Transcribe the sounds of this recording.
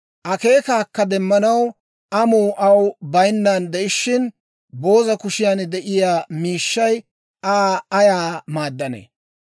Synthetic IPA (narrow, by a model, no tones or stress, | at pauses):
ʔɐke̞ːkaːkːɐd̪ɛmːɐnɐw | ʔɐmuːʔɐwbɐjnːaːnd̪ɛʔɪʃːɪn | bo̞ːzɐkʊʃɪjaːnd̪ɛʔɪjaːmiːʃːɐj | aːɐjaːmaːd̪ːɐnḛː